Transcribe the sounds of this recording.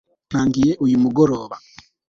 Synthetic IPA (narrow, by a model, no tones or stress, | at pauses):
n̥aːŋɡije̞ʔujumuɡoɾo̞ːβa